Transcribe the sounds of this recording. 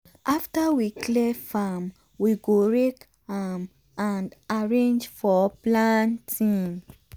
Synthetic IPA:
ʔaftawiklɛfam | wiɡoɹek | ham | ãndaɹẽnd͡ʒfɔplãntʰĩŋ

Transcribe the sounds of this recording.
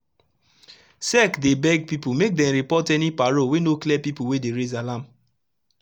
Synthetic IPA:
sɛkdebɛɡ̚pipumek̚dɛ̃mɹipɔtɛnipaɹowenoklɛpipuwedeɹezalãm

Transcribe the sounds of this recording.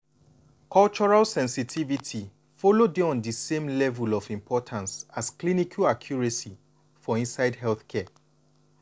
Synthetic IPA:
kʰɔlt͡ʃɔɹalsɛ̃nsitʰivitʰi | fɔlodeɔ̃ndəsẽmlɛvulɔvĩmpʰɔtʰãnsasklinikʰaakʰjɔɹesi | fɔĩnsaɪdhɦɛlθkʰɛ

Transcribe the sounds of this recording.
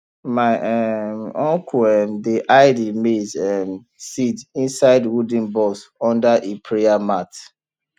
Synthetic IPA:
maɪʔɛmɔ̃ŋkʰuɛmdiʔaɪdimedɛm | sidĩnsaɪdwud̃nbɔsɔ̃ndaʔepʰɹeamat

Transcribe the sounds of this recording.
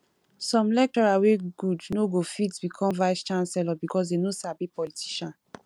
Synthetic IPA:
sɔ̃mlɛk̚tɔɹaweɡudnoɡofitbikʰɔ̃mvaɪst͡ʃãnsɛlɔbikɔs̬denosabipɔlitʰi̥ʃɔ̃n

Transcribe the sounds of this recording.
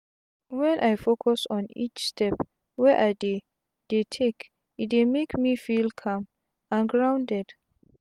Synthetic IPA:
wɛ̃nʔajfokʰɔsɔ̃nḭt͡ʃstʰɛp | wɛʔade | d̥etʰek | it̚demekmifilkʰãm | ãnɡɹãwndɛd

